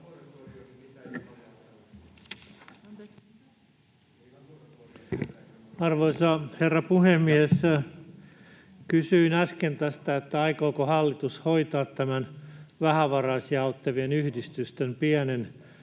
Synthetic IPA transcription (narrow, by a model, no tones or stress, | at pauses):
ɑrʋoisɑherːɑpuhemːiæs | kysyinɑskent̪æst̪æet̪ːæɑikoːkohɑlːit̪ushoit̪ɑːt̪tæmænʋæhæʋɑrɑːsjɑut̪ːeʋienyhdist̪yst̪empiænen